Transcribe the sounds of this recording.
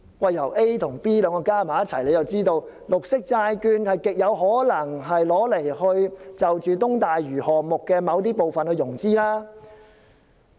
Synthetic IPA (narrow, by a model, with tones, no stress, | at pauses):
wɐ˨jːɐ˨˩wʔe˥jt̪ʰʊ˨˩ŋpiː˥lœː˨˧ŋkɔː˧kaː˥maː˨˦jɐ˥t̚t͡sʰɐ˨˩jle˨˧jt͡sɐ˨wt͡siː˥t̪o˧w | lʊ˨k̚sɪ˥k̚t͡saː˧jkyː˧nhɐ˨jkɪ˨k̚jɐ˨˧wɦɔː˨˥lɐ˨˩ŋɦɐ˨jlɔː˨˥le˨˩jhɵ˧ɥt͡sɐ˨wt͡ʃyː˨t̪ʊ˥ŋt̪aː˨jɥyː˨˩hɔː˨k̚mʊ˨kːɛː˧mɐ˨˧wt̪̬iː˥po˨wfɐ˨nhɵ˧ɥjʊ˨˩ŋt͡siː˥laː˥